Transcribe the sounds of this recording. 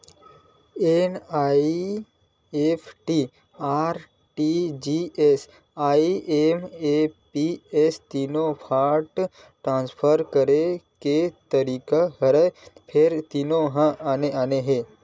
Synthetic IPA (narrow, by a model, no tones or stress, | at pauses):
enaːi | epʰʈi | aːɾ | ʈid͡ʒies | aːiʔemepiest̪iːnopʰaːʈ | ʈɾãːnspʰəɾkəɾeket̪əɾiːkahəɾəpʰeɾt̪iːnoɦə̃aːneaːneɦe